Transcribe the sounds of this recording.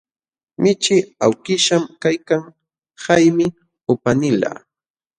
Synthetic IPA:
mɪt͡ʃɪa̰wkɪʃamkajkaŋ | hajmɪ | ʊpanɪla̰

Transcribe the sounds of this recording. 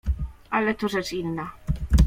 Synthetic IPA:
ʔalɛt̪ɔʐɛt͡ʂinːa

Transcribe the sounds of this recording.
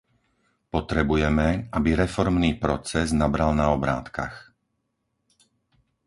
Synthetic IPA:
pɔt̪ɾɛbujɛmɛabiɾɛfɔɾmniːpɾɔt͡sɛznabɾalnaɔbɾa̰ːt̪ka̰x

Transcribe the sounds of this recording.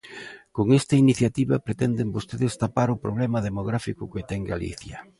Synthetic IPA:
koŋest̪ɐiniθjat̪iβɐpɾet̪ɛnd̪embost̪eðest̪apaɾʊpɾoβlɛmɐðemoɣ̞ɾafikʊket̪ɛŋɡalḭθjɐ

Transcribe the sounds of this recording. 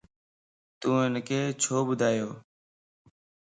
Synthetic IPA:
t̪ũːɪnkʰeːt͡ʃʰoːbʊd̪ʱaːjoː

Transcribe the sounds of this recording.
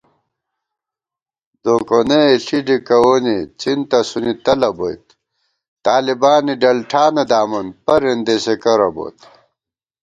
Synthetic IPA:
d̪oːkoneeɬiɖikɐwoːnit͡ɕint̪ɐsunit̪ɐlɐbo̰it̪ | t̪aːlibaːniɖɐlʈʰaːned̪aːmɐnpɐɾend̪esekɐɾɐ̰bo̰ːt̪

